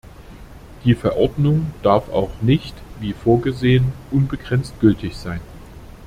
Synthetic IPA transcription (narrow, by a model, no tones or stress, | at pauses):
d̥iːfɛɐʔɔɐdnʊŋd̥aɐfa̰ʊxnɪçtviːfoːɐɡəzeːənʔʊnbəɡʁɛnt͡st̚ɡ̥ʏltʰɪçz̥aɪn